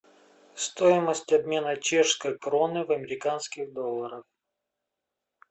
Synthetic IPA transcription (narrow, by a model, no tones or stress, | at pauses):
st̪oɪməsʲtʲɐbmʲe̞nət͡ɕeʂskəjkɾonɨvɐmʲɪɾʲɪkanskʲɪɣd̪olˠːəɾəf